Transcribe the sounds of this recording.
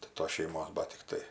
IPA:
tɐɪ ˈtoːs ʃʲɛɪˈmoːs ˈbɐt tʲɪkˈtɐɪ

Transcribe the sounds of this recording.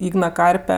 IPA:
ˈiːɡnɐ ˈkɐrʲpʲɛ

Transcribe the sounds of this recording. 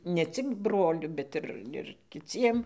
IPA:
nʲɛ ˈt͡sʲɪk ˈbroːlʲʊ bʲɛt ˈɪr ɪr kʲɪˈt͡sʲiɛm

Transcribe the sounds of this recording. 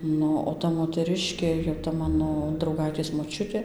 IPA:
ˈnʊ oː ˈtɐ moːtʲɛˈrʲɪʃʲkʲeː jɛʊ tɐ ˈmɑːnoː drɐʊˈɡɐɪtʲeːs moːˈt͡ʃʲʊtʲeː

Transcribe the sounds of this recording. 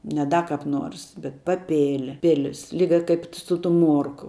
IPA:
nʲɛ ˈdɐ kɐp ˈnuɔrs bʲɛt pɐˈpʲeːlʲ ˈpʲɪlʲɪs ˈlʲiːɡɐ ˈkɐɪp sʊ tʊm ˈmuɔrkʊ

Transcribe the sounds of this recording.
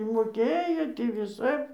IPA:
ɪ moːˈkʲeːjoː tʲiː ʋʲɪˈsɐp

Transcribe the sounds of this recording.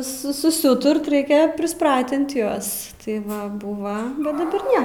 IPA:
ˈsʊ sʊsʲɪˈuːtʊrt rʲɛɪkʲɛ pʲrʲɪsˈprɑːtʲɪnt ˈjuɔs tɐɪ ˈʋɐ ˈbuːʋɐ bʲɛt dɐˈbɐr ˈnʲɛ

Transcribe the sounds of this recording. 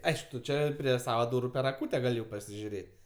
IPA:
ˈɐɪʃk tʊ ˈt͡ʃʲɛ pʲrʲiɛ ˈsɑːʋɐ ˈduːrʊ jɛʊ pʲɛr ɐˈkuːtʲɛ ˈɡɐlʲ jɛʊ pɐsʲɪʒʲʊˈrʲeːtʲ

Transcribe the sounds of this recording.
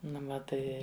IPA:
ˈnʊ ʋɐ ˈtɐɪ

